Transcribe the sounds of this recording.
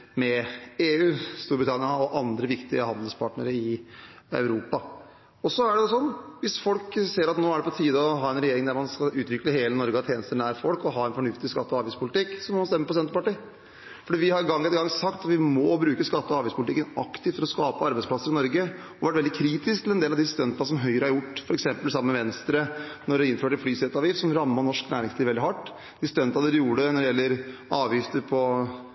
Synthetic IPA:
mɛeːʉːst̪uːbɾɪt̪ʰɑnɪɑɔʔɑnd̪ɾəʋɪkt̪ɪəhɑnd̪ləlspʰɑʈnə̰ɾəɪ | œ̰ʉɾuːpɑ | ɔsɔæɖɛɔsɔnːʋɪsfɔlkseːəɾɑt̪noːæɖɛpɔt̪ʰiːd̪əɔɦɑːɛnɾɛjeːɾɪŋd̪æɾmɑnskɑʉːt̪ʋɪkləheːlənɔɾɡəɑt̪ʰːjeːnəst̪əɳæːɾfɔlkɔɦɑːɛnfɔɳʉft̪ɪskɑt̪ːəɔɑːɾʋbæɪspʰʊlɪt̪ɪkːsɔmɔmɑnst̪ɛmːəpɔsɛnt̪əɾpɑʈiː | fɔɖiːʋɪhɑɾɡɑŋːɛt̪əɡɑŋsɑkt̪ɑt̪ʋɪmɔbɾʉːkəskɑt̪ːəɔɑːʋɪspʰʊlɪt̪ɪkːənɑkt̪ɪft̪ʰɪlɔskɑːpəɑɾbæɪspʰlɑsːəɾɪnɔɾɡə | ɔʋæʈʋɛld̪ɪkʰɾiːt̪ɪsk̚t̪ɪlɛnd̪eːlɑd̪ɪst̪œnt̪ɑsɔmɦœʏɾəhɑɾjʊʈːfɔɾɛksɛmpəlsɑmːəmɛʋɛnst̪ɾənɔɖɛɪnføːʈːɛt̪flyːsɛt̪ːɑʋiːfsɔmɾɑmːɑnɔʂknæːɾɪŋsliːʋɛld̪ɪhɑʈː | d̪ɪst̪œnt̪ɑd̪ɛd̪juːɖənɔd̪ɛjɛlːəɾɑːʋjɪft̪əɾpʰɔ

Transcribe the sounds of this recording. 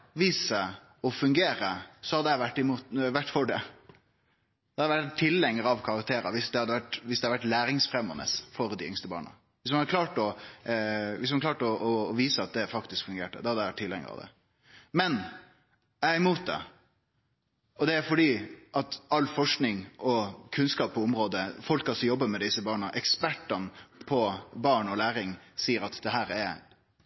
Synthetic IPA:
ʋiːsə | ɔfʉŋɡeːɾəsɔhɑd̪ɛæɪʋæʈːɪmuːt̪ʋæʈːfɔɖɛ | d̪̥ɛhɑd̪əʋæt̪ʰːɪlːɛŋːəɾɑʋkʰɑɾɑk̚t̪ʰeːɾəʋɪsd̪ɛhɑd̪ːəʋæʈːʋɪsd̪ɛhɑd̪ʋæʈlæːɾɪŋsfɾɛmɔ̰nə̰sfɔɾd̪ɪʏŋst̪əbɑ̰ːɳə̰ | ʋɪsmɑnɑəkʰlɑːʈɔ | ʋɪsmɑnklɑːʈɔʔɔːʋiːsəɑt̪̚d̪ɛfɑkt̪ɪskfʉŋɡeːʈə̰d̪ɔhɑd̪æɪʋæʈt̪ʰɪlːɛ̰ŋə̰ɾɑ̰ʋd̪ɛ̰ | mɛn | æɪmuːt̪̚d̪ɛ̰ | ɔd̪ɛæɾfɔɖiːʔɑt̪ɑlːfɔʂknɪŋʔɔkʰʉnskɑːp̚pʰːɔʊmɾoːd̪əfɔlkɑlsɔjɔbːəmɛd̪ɪsəbɑːɳəʔɛkspæʈːɑnpʰɔbɑːɳɔlæːɾɪŋsiːəɾɑt̪d̪ɛɦæːɾæɾ

